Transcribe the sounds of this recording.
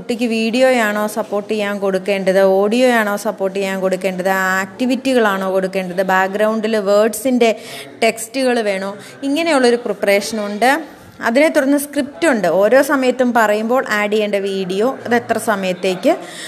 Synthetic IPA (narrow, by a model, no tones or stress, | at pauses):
uʈːikʲːɨʋiːɽijo̞ːjaːɳo̞ːsɐpːo̞ːrʈːijaːnko̞ɽukːe̞ːɳɖɐðɨoːɽijo̞ːjaːɳo̞ːsɐpːo̞ːrʈːijjaːnko̞ɽukːe̞ːɳɖɐðɨaːk̚ʈiʋitːiɣɐɭaːɳo̞ːko̞ɽukːe̞ːɳɖɐðɨbaːk̚ɡɾɐwɳɖilʋeːɖsinde̞ʈe̞kstuɣɐɭʋe̞ːɳoː | iŋːɐne̞juɭːo̞ɾuprɨpre̞ːʂɐnuɳɖɨ | ɐ̰ðine̞t̪ːurɐnːɨskrip̚tuɳɖɨo̞ːɾo̞ːsɐmɐjɐt̪ːumpɐrɐjumbo̞ːɭʔaːɖijeɳɖeʋiːɽijo̞ːɐðe̞t̪rɐsɐmɐjɐt̪ːe̞ːkʲːɨ